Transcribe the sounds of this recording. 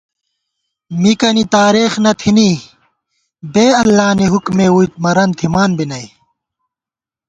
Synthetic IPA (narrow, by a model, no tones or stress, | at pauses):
mikɐnit̪aːɾeːxnɐt̪ʰini | beːɐlːaːniɦukmeːujt̪̚mɐɾɐnt̪ʰimaːnbinɐj